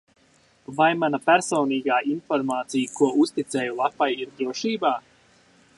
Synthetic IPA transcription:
vajmanapæɾsɔːniːɡaːʔinfɔɾmaːt̪sijkuɔust̪it̪sɛːjulˠapajiɾd̪ɾuɔʃiːbaː

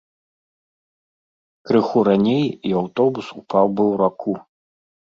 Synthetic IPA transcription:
kɾɨxuɾanʲejiawt̪ɔbusupawbɨwɾakʰu

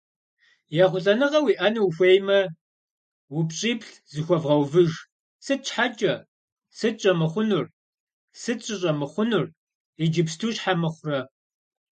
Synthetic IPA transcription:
jaχʷʊɬʼɐnɨʁɐwiːʔɐnuwxʷejmɐ | wʊpɕʼiːpɬ | zɨxʷɔvʁɐwvɨʒ | sɨt̚t͡ʃħat͡ʃʼɐ | sɨt͡ʃʼɐmɨχʷʊnʊr | sɨɕʼɪɕʼɐmɨχʷʊnʊr | id͡ʒɪpstʰuːɕħamɨχʷʊrɐ

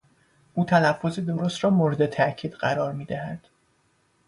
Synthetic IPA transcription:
ʔuːt̪ʰænæfːo̞zed̪o̞ɾost̪ɾɒːmoːɾe̞d̪et̪ʰæʔcʰiːd̪ɢæɾɒːɾmiːd̪æhæd̪̥

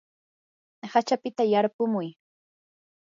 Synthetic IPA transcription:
hat͡ʃapɪt̪ajaɾpʊmʊj

